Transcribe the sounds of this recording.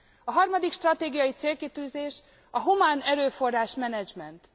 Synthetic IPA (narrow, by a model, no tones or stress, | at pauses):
ɒɦɒrmɒd̪ikʃt̪rɒt̪eːɡijɒjit̪seːlkit̪yːzeːʃ | ɒɦumaːnɛɾøːfo̞rːaːʃmɛnɛd͡ʒmɛnt̪